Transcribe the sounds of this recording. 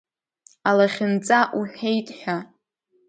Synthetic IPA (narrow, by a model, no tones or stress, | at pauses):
alaχʲɪnt͡sʼaʔuħejtʼħʷᶣa